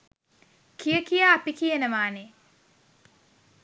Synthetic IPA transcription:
kijəkijaːpikijenəʋaːne

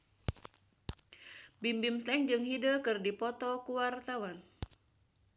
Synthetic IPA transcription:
bimbimslɛŋd͡ʒɨŋɦidəkɨrdipɔt̪ɔkuwart̪awan

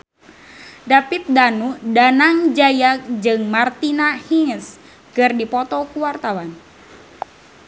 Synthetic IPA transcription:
dapit̪̚danudanaŋd͡ʒajak̚d͡ʒɨŋmart̪inahiŋəs | kɨrdipɔt̪ɔkuwart̪awan

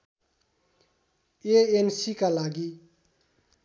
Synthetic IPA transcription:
eensikalaɡi

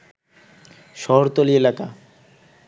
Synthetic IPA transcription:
ʃɔɦoɾt̪olielaka

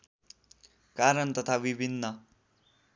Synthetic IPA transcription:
kaɾʌnt̪ʌt̪ʰabibʱinːʌ

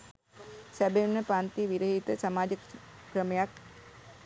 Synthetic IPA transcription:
sæbenːəpant̪iʋiɾəɦit̪əsamaːd͡ʒəkkɾəmejak

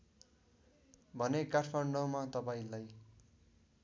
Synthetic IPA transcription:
bʱʌnekaʈʰpʰʌɳɖʌmat̪ʌpaĩlaj

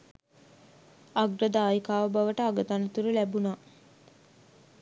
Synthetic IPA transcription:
aɡɾəd̪aːjkaːʋəbaʋəʈəaɡət̪anət̪uɾəlæbuna

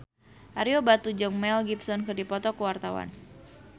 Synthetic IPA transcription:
ʔaɾiobat̪ud͡ʒɨŋmɛlɡipsɔnkɨrdipɔt̪ɔkuwart̪awa̰n

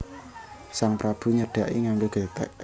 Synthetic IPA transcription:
saŋpɾab̥ṳɲəɖ̥a̤ʔiŋaŋɡoɡ̥et̪ɛ̰ʔ

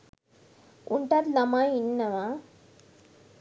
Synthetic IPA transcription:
uɳʈaːd̪nɐmãinːɐʋa

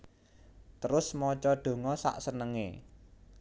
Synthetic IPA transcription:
t̪əɾʊsmɔt͡ʃɔɖ̪̥o̤ŋɔsa̰ʔsənəŋḛ

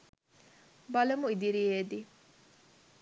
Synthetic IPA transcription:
bɐlɐmuid̪iɾieːd̪i

